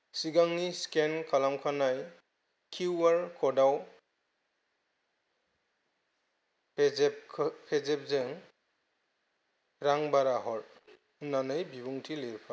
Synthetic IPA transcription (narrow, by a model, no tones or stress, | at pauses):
siɡaŋniskenkʰalamkʰanaj | kʰiaɾkʰɔdaw | pʰezep̚zeŋ | ɾaŋbaɾaɦɔɾ̚ | nanɯjbibuŋtʰileɾpʰa